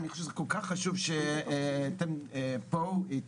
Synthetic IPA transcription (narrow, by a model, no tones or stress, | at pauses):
niχoʃevzɛkolkaχːaʃuvʃeat̪ɛmpoi